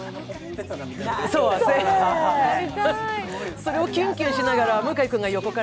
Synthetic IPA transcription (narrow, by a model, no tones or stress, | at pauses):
soːaeaa | so̞ɾe̞o̞kʲɯ̃ŋkʲɨːɕinaɡaɾamɯ̟kaikɯ̟̃ŋɡajo̞ko̞ka